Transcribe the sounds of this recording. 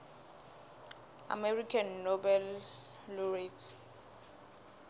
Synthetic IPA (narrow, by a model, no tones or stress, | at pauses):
a̰merikʰanːɔbɛlː | ɔretʰ